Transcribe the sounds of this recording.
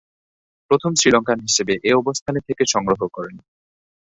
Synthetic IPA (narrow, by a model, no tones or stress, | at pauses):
pɾot̪ʰomsɾilɔŋkanɦiʃebeʔeɔbost̪ʰanet̪ʰekeʃɔŋɾoɦokɔɾen